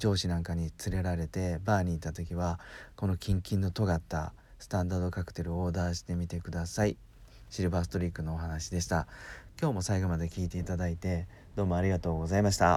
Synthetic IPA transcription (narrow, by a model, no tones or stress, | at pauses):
d͡ʑo̞ːɕinãŋkaɲ̟it͡sɨɾe̞ɾaɾe̞t̪e̞baːɲ̟iːt̪ːat̪o̞k̬ʲiβako̞no̞kʲĩŋkʲĩnːo̞t̪o̞ɡat̪ːa̰ | sɨ̥t̪ãnd̪aːd̪o̞kakɯ̟̥t̪e̞ɾɯ̟oːd̪aːɕi̥t̪e̞mʲit̪e̞kɯ̟d̪asai | ɕiɾɯ̟basɨ̥t̪o̞ɾʲikːɯ̟no̞ːɦanaɕid̪e̞ɕi̥t̪akʲo̞ːmo̞saiɡo̞mad̪e̞kʲiːt̪e̞it̪ad̪ait̪e̞ | d̪̥o̞ːmo̞aɾʲiɡat̪o̞ːɡo̞zaimaɕi̥t̪a